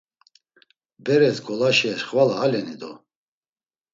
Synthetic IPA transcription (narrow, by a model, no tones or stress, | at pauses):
bɛɾɛsɡɔlaʃiaʃχvalaːlɛnid̪ɔ